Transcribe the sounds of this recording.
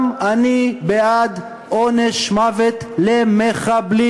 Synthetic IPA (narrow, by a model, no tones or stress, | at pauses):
manibead̪ | oneʃmavet̪lemeχabli